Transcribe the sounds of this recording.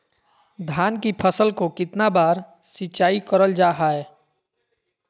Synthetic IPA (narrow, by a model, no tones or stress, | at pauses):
d̪ʱaːnkipʰəsəlkokɪt̪nabaːɾ | sɪt͡ʃaːikəɾəld͡ʒaːɦaːɛː